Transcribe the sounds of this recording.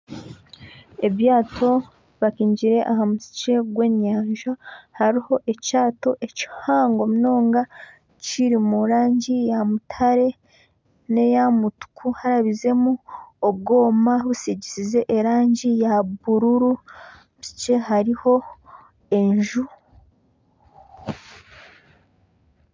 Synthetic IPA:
e̞βjaːtʰo̞ | βakiːɲɟiɾe̞ʔahamusi̥t͡ʃe̞ɡwe̞ːɲaːɲʒahaɾiho̞ʔe̞caːto̞ʔe̞ci̥haːŋɡomuno̞ːŋɡa | ciɾimuɾaːɲɟijamutʰaɾe̞ | ne̞jamutu̥kʰuhaɾaβize̞muob̚ɡo̞ːmaβusiɟisize̞ʔeɾaːɲɟijaβuɾuɾu | musi̥t͡ʃe̞ɦaɾiho̞ | e̞ɲʒu

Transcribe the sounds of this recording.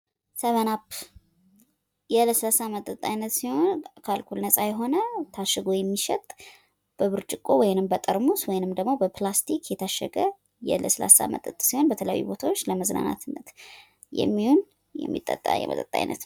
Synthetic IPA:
səβənapʰː | jɛləsəlasamət̪ʼət̪ʼːajnːət̪siho̞nkʰalkʰulnəsʼajɛɦo̞nət̪ʰaʃːɨɡojɛmːiʃɛt̪ʼ | b̥əβɨɾt͡ʃʼɨkʼːowɔjnɨmbət̪ʼəɾmuswɔjnɨmd̪əɡmo̞bəplast̪ʰikʰjɛt̪ʰaʃːə̰ɡə | jɛ̰ləsəla̰sa̰mə̰t̪ʼət̪ʼsihonbət̪ʰələja̰jːṵbo̞t̪ʰawo̞t͡ʃːləməzna̰na̰t̪ʰɨnːət̪ | jɛ̰mːihun | jɛ̰mːḭt̪ʼːə̰t̪ʼːa̰jɛ̰mə̰t̪ʼət̪ʼːa̰jnʔə̰t̪

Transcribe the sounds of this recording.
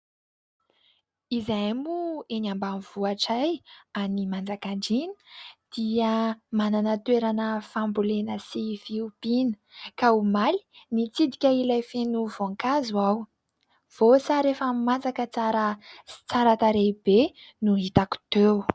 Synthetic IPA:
izajmueɲambamiv̥uaʈ͡ʂajanimand͡zakaɳɖ͡ʐinə̥d̪̥iəmananət̪weɾanəfambulenəsiviub̥inə̥kaumali̥nit͡sid̪ikʲəilajfenuvoŋkazuaw | v̥osaɾefəmand͡zakət͡saɾəsi̥t͡saɾat̪aɾebenuɦit̪aku̥t̪ew

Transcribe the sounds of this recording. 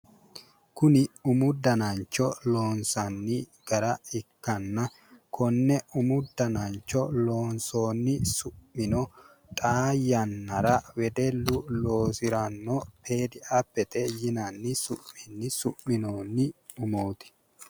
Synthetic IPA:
kʊnɪʊmʊd̪ːɐnɐnt͡ʃːɔloːnsɐnːɪ | ɡ̥ɐɾɐɪkːɐnːɐ | kʰɔnːɛʊmʊd̪ːɐnɐnt͡ʃːɔlo̞ːnso̞ːnːɪsʊmːɪnɔ | t̪ʼaːjːɐnːɐɾɐwɛd̪ɛlʊlo̞ːsɪɾɐnːɔpʰe̞ːd̪ɪʔɐpːɛt̪ɛjɪnɐnːɪsʊʔːɪnːɪsʊmːɪnoːnːɪ | ʊmoːt̪ɪ̥

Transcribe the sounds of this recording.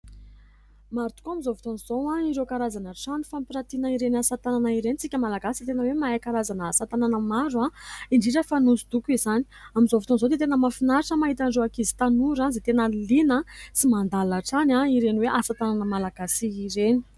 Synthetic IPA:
maɾut̪u̥koamizovut̪onzowaiɾewkaɾazanaʈ͡ʂanifampiɾat̪inəiɾenasat̪ananaiɾenit͡sikʲəmalaɡasit̪enəwemaekaɾazanəːsat̪ananəmaɾuaiɳɖ͡ʐiʈ͡ʂəfanuzid̪ukuizani̥amizovut̪onzot̪et̪enəmafinaɾʈ͡ʂəmaɦit̪aɳɖ͡ʐoakizi̥t̪anuɾazet̪enəlinəsimand̪alaʈ͡ʂanaiɾeniweʔasat̪ananəmalaɡasiːɾeni̥

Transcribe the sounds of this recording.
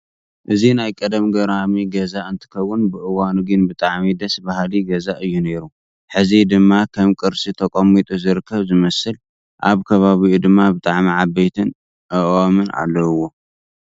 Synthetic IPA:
ʔɨzinajkʼɐd̪ɐmɡɐɾamiɡɐzaɨnt̪ʰɨ̥kʰɐwːʊnbɨʔɨwanuɡɨnbɨt̪ʼaʕmid̪ɐsbahliɡɐzaʔɨjːune̞ɾu | ħɨzid̪ɨmːakʰɐmkʼɨɾsit̪ʰɐkʼomːit̪ʼuzɨɾɨkʰːɐβzɨmɐsɨl | ʔa̰βkʰɐβaβiud̪ɨmːabɨt̪ʼaʕmiʕabejt̪ʰɨn | ʔɨʔomɨnʔa̰lːɐwːo̞

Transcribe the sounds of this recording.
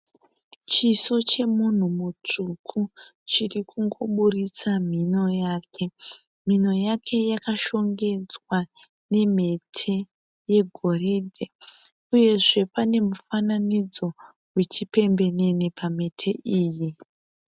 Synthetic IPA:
t͡ʃiso̞t͡ʃe̞mun̤umut͡ʂukʰut͡ʃirikuŋɡo̞ɓurit͡sam̤ino̞jaːkʰe̞ | m̤ino̞jakʰe̞jakaʃo̞ŋɡe̞d͡zwa | ne̞m̤e̞tʰe̞ | je̞ɡʱo̞reːdʱe | uje̞ʐe̞pane̞mufananid͡zo̞ | wet͡ʃipe̞mbe̞ne̞nepʰame̞tʰe̞ʔiːji

